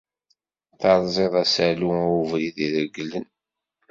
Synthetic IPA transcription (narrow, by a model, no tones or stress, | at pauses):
θɑɾˤzˤeðˤæsæluuvɾiðiðəɡlən